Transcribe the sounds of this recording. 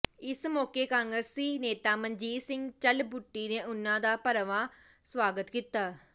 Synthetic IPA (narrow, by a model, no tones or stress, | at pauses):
ɪsmoːkeːkãːŋɡɾəsiːneːt̪aːməɲd͡ʒiːsɪŋɡt͡ʃəlbʊʈːiːnẽːʔʊnːãːd̪aːpəɾəʋãː | sʋaːɡət̪kit̪ːaː